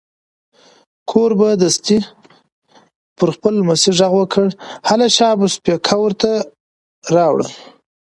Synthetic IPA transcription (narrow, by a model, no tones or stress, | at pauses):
kʰoɾbad̪əst̪i | pəɾxpəlmasiʐaɣwəkʰəɽhalaʃɑbəspekʰawəɾt̪a | ɾɑwɽə̰